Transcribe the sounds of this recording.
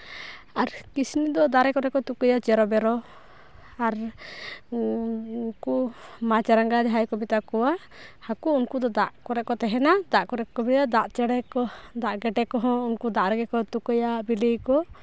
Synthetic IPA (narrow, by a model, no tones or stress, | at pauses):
aɾkisinid̪ɔd̪aɾɛkɔɾɛkɔt̪ukɔjat͡ʃɛɾɔbɛɾɔ | aɾ | nkumat͡ʃaɾaŋɡad͡ʒɦajkɔbit̪akɔwa | hakuunkud̪ɔd̪aʔkɔɾɛʔkɔt̪ɛɦɛnad̪aʔkɔɾɛʔkɔbit̪ad̪aʔt͡ʃɛɽɛkɔd̪aʔɡɛʈɛkɔɦɔ̃unkud̪aʔɾɛɡɛkɔt̪ukɔjabilijkɔ